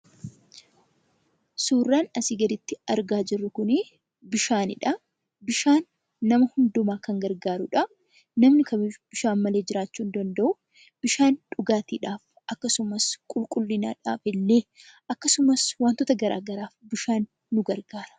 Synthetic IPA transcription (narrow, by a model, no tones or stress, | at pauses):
suːrːaːnɐsiːɡɐd̪ɪt̪ːɪɐɾɡaːd͡ʒɪrːʊkʊnɪ | bɪʃaːnɪ̰ᶑɐ | bɪʃaːnː | ɐmɐhʊnd̪ʊmaːkɐŋɡɐɾɡaːɾʊᶑɐ | nɐmnɪkɐb̥ɪʃaːnmɐle̞ːd͡ʒɪɾaːt͡ʃːuːnd̪ɐnd̪ɐʔʊ | b̥ɪʃaːnᶑʊɡaːt̪iːᶑaːf | ʔɐkːɐsʊmɐskʼʊlkʼʊlːɪna̰ːᶑa̰ːfɪlːeːʔɐkːɐsʊmɐswaːnt̪ɔt̪ɐɡɐɾa̰ːɡɐɾaːfbɪʃaːnː | ʊɡɐɾɡaːɾɐ̥